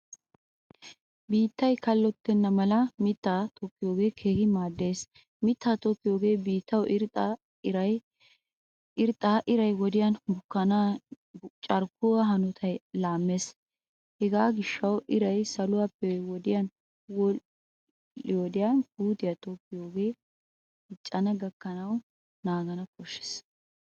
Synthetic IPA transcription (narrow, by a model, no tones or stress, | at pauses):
biːt̪ːɐjkɐlːɔt̪ːɛnːɐmɐlɐmɪt̪ːaːt̪ɔkːɪjoːɡe̞ːkʰe̞ːhɪmaːd̪ːe̞ːs | mɪt̪ːaːt̪ɔkːɪjoːɡe̞ːbiːt̪ːɐwɪɾʼ | ɾɐj | ɪɾt̪ʼːaːʔɪɾɐjwɔd̪ɪjɐnbʊkːɐna | t͡ʃʼɐɾkʊwɐɦɐnɔt̪ʰɐjlaːmːes | hɛɡaːɡɪʃːɐwɪɾɐjsɐlʊwaːpːɛwɔd̪ɪjɐn | wɔ | ɪwɔd̪ɪjanhuːt̪ɪjat̪oːkːɪjoːɡe̞ː | ɪt͡ʃʼːɐnɐɡɐkːɐnɐw | naːɡɐnɐkʰɔʃːɛ̥s